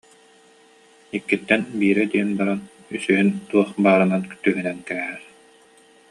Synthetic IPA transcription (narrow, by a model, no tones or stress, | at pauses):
ikːit̪ːɛnbiːɾɛd̪iɛnbaɾan | ysyɦynt̪uɔχbaːɾɯnant̪yɦynɛnkɛːɛɾ